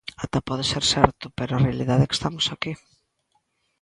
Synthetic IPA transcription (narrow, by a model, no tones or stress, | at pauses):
at̪apɔðeseɾsɛɾt̪ʊpeɾʊarealiðaðeɛke̥st̪amʊsaki